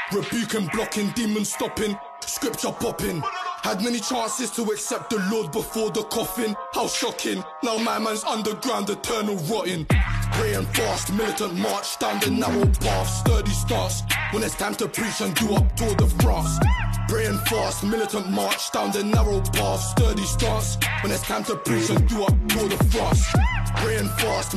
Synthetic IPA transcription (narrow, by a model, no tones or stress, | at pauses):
ɹɨbjʉˑkɨ̃nblɑkʰɪ̃ndĩmə̃nstɒpɪ̃ŋ | skɹɪp̚t͡ʃəpʰɑpɪ̃ŋhəd̚mɛnit͡ʃʰæ̃nsɪz̥tʰəɛksɛp̚t̪̚ðəlɔːd̚bɪfɔɹd̪̚ðəkʰɒfɪ̃nhalˠʃʌkʰɪ̃n | naʊmaɪmãnzʌ̃ndə˞ɡɹãʊ̃nðətʰɜ˞nəl̩ˠɹɔʔɪ̃npʰɹ̥ɛɪə̃nfɑˑstmɪlˠɨʔə̃nmɑɹt͡ʃd̥ãʊ̃nðənɛɹəlˠpʰɑfstɜ˞ɾistɑɹtswə̃nɪtskʰɛ̃mtʰəpʰɹ̥it͡ʃə̃nduʌp̚tʰɔːɹd̪̚ðəfɹɔspʰɹ̥eɪɨ̃nfɑɹst̚mɪlˠɨtə̃nʔmɑɹt͡ʃd̥ãʊ̃nðənɛvɹəlˠpʰæˑfstɜ˞ɾistɑɹtswə̃nɨtskʰɛ̃mtʰəpʰɹ̥iˑt͡ʃɨ̃nduʌp̚tʰɔɹd̪̚ðəfɹɔspʰɹ̥ɛɪɨ̃nfɑˑst̚